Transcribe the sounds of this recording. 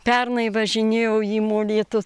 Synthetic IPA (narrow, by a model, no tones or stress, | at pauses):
pʲɛrnɐɪʋɐʒʲɪnʲeːjɛʊjiːmoːlʲiːt̪ʊ